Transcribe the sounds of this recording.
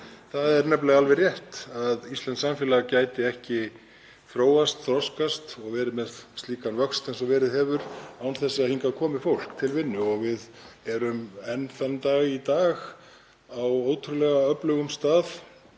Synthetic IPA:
θaðɛɾnɛplɛɣalvɛrjɛht̪aðist̪ɛnsamfɛːlacaːjt̪ɪɛhcɪ | θɾoːwast̪θɾɔwskast̪ɔɣvɛːɾɪmɛðst̪iːkanvœkst̪ɛnsɔvɛːɾɪðhɛːvʏɾawnθɛsːɪaðhiŋkakʰɔːmɪfowl̥kt̪ʰɪlvɪnːʏɔɣvɪð | ɛɾʏmɛnfɛnt̪aɣit̪aːɣ | awoːwt̪ʰʏɾʏlɛɣaœplœɣʏmst̪aːθ

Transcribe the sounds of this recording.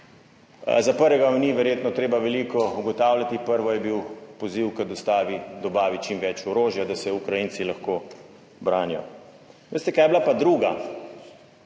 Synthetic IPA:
zapəɾʋɛɡamniʋɛɾjeːt̪nɔt̪ɾeːbaʋɛlikɔuɡɔt̪aːwlʲjat̪ipəɾʋɔjɛbiwpɔziwkad̪ɔst̪aːʋid̪ɔbaːʋit͡ʃimʋɛt͡ʃɔɾoːʒjad̪asɛukɾajinsilaxkoː | bɾaːnijɔ̰ | ʋest̪ɛkaːjɛblapad̪ɾuːɡa

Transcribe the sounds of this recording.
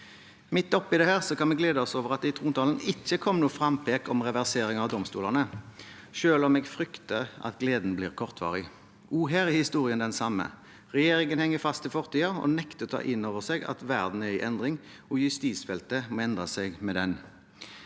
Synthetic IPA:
mɪt̪ːɔpːɪd̪ɛhæːʁsɔkʰɑnmɛɡleːd̪əɔsoːʋəʁɑt̪̚d̪ɛɪt̪ʰʁuːnt̪ʰɑːlənɪt͡ʃːəkʰɔmːnuːfʁɑmpʰeːkɔmʁɛʋæʁseːʁɪŋɑːʋd̪ɔmst̪uːlɑʁnə | ʃøːlɔmɛːɡfʁʏkt̪əʁɑ̰t̪ɡleːd̪n̩bliːʁkʰɔʁt̪ʰʋɑ̰ːʁɪ | uːɦæːʁɪhɪst̪uːʁɪənd̪ɛnsɑmːə̰ | ʁɛjeːɾɪŋənhɛŋːəfɑst̪ɪfɔʁt̪ʰiːɑɔ̰nɛkt̪ət̪ʰɑ̰ːʔɪnːoːʋəʁsɛɡɑ̰t̪ʋæʁd̪n̩hœʏɪʔɛnd̪ʁɪŋ | ɔjʉst̪iːsfɛlt̪əmoːɛnd̪ʁɑsɛɡmɛd̪ɛn

